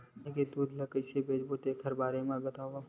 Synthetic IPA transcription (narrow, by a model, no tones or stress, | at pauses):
eked̪uːd̪lɐkəɪsebeːd͡ʒbot̪ekʰɐɾbaːɾemãɡɐt̪aːa